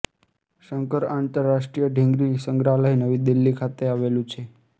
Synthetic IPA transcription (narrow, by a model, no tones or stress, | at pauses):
ʃəŋkəɾant̪əɾːaʃʈɾijəɖʱĩŋɡɾisəŋɡɾaləɦinəʋid̪ilːikʰat̪eaʋelũt͡ʃʰe